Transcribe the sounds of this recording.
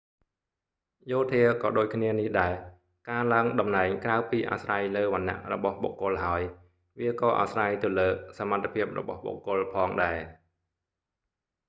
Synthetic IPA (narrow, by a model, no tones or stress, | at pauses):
joːt̪ʰiəkɑːɗoːc̚kʰniənihɗaɛ | kaːlaəŋɗɑmnaɛŋkraəpiːʔa̰srajləːʋanːa̰ʔrɔ̰ɓɑhɓo̰kːʊ̆əlɦaəj | ʋiəkɑːʔa̰srajt̪ɨwləːsamant̪ʰːepʰiəp̚rɔ̰ɓɑhɓo̰ːkːʊ̆əlpʰɑːŋɗaɛ